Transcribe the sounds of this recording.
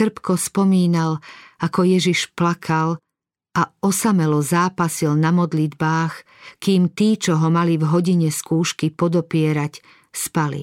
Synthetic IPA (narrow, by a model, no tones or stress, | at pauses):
r̩pkɔspɔmiːnalakɔjɛʒiʃplakʰal | ʔaɔsamɛlɔzaːpasilnamɔd̪lid̪baːx | kiːmt̪iːt͡ʃɔɦɔmalivɦɔɟiɲɛskuːʃkipɔd̪ɔpɪɛɾac | spalḭ